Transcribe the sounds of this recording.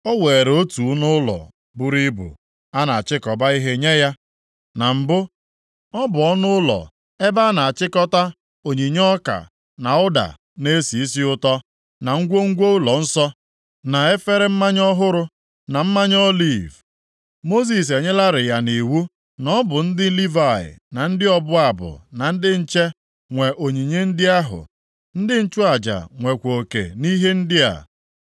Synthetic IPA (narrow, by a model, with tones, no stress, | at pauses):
ɔ˦we˨ɾo˦tu˨˦nʊ˦lɔ̰˨ | bʊ˨ɾi˦bʊ̰˨ | a˦na˨a˨t͡ʃɪ˦kɔ˨ba˦i˦ɦe˦ɲe˦ja˦ | na˨m̩˨bʊ˦ | ɔ˦bʊ˨ɔ˦nʊ˦lɔ̰˨ | e˦ba˦a˦na˨a˨t͡ʃɪ˦kɔ˦ta˦ | o˨ɲi˨ɲɔ˦ka̰˨ | na˨ʊ˦da̰˨ | ne˦si˨i˦si˦ʊ˦tɔ˦ | na˨ŋ̩˦ɡʷo˦ŋ̩˦ɡʷo˦ʊ˦lɔ˨n̩˦sɔ˦ | na˨e˦fe˦ɾe˦m̩˦ma˦ɲɔ˦ɦʊ˦ɾʊ˦ | na˨m̩˦ma˦ɲɔ˦li˦˨v | mo˦s̬i˨s̬e˨ɲe˦la˦ɾɪ˨ja˨ni˨wu˦ | nɔ˦bʊ˨n̩˦dɪ˦li˦va˨ɪ̰˨na˨n̩˦dɪ˦ɔ˦bʊ˦a˨bʊ̰˨na˨n̩˦dɪ˦n̩˦t͡ʃe˦ | ŋʷe˨ʔo˨ɲi˨ɲe˦n̩˦dɪ˦a˦ɦʊ̰˨ | n̩˦dɪ˦n̩˦t͡ʃʊ˦a˨d͡ʒa̰˨ŋʷe˨kʷo˨kḛ˨ni˦ɦe˦n̩˦dɪ˦a̰˨